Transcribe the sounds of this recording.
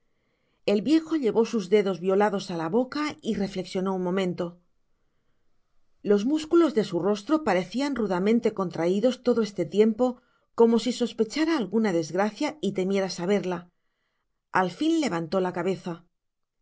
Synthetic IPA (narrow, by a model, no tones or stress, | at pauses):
e̞lβje̞xo̞ʎe̞βo̞suzðe̞ðo̞zβjo̞laðo̞salaβo̞kaire̞fle̞ksjo̞no̞unmõ̞mẽ̞nt̪o̞ | lo̞zmuskulo̞zðe̞suro̞st̪ɾo̞paɾe̞θianruðamẽnt̪e̞ko̞nt̪ɾaiðo̞st̪o̞ðo̞e̞st̪e̞t̪je̞mpo̞ | ko̞mo̞siso̞spe̞t͡ʃaɾaːlɣunaðe̞zɣɾaθjait̪e̞mje̞ɾasaβ̞e̞ɾla | alfinle̞β̞ant̪o̞lakaβe̞θa